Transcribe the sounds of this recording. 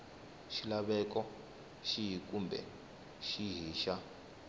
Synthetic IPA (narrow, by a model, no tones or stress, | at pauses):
ʃilaβɛkɔ | ʃijikʼumbɛ̰ | ʃiɦiːʃa